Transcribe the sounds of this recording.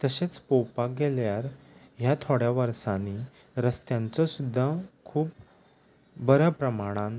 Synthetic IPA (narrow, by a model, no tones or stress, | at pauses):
t̪əɕet͡spowpaɡɛljaɾ | ɦjat̪ʰoɽjaʋəɾsani | ɾəst̪jãnt͡sɔsud̪ʱːakʰuːp̚ | bəɾəpɾəmaɽ̃ãn